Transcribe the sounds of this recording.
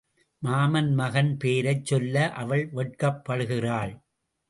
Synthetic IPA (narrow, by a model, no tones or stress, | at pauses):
maːmɐnmɐɣɐnpeːɾɐɪt͡ʃːɔlːɐʔɐʋɐɭʋɛʈ̚kɐpːɐɽɯɣɪraːɭ